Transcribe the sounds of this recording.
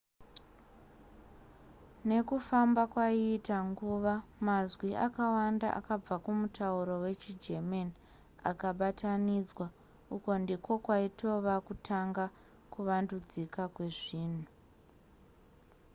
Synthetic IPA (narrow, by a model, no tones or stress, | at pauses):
ne̞kufambakwaiːtaŋɡuːʋamazwiʔa̰kawanda̰ʔa̰kab͡vakumutʰauɾo̞we̞t͡ʃid͡ʒemeni | a̰kaɓatanid͡zwa | uko̞ndiko̞kwaito̞ʋakutʰaŋɡa | kuʋandud͡zikakwe̞ʐiːn̤u